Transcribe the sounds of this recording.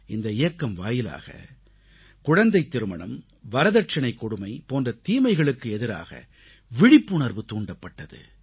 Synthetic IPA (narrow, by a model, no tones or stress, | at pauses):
ɪnd̪ɐɪjɐkːɐmʋaːjɪla̰ːɣɐ̰ | kʊɻɐnd̪ɐɪt̪ːɪɾɯmɐɳɐm | ʋɐɾɐðɐʈ̚t͡ʃɐnɐɪkːɔɽɯmɐɪpoːndrɐt̪iːmɐɪɣɐɭɯkːɯɛðɪɾa̰ːɣɐ̰ | ʋɪɽɪpːɯɳɐɾʋɯt̪uːɳɖɐpːɐʈːɐðɯ̰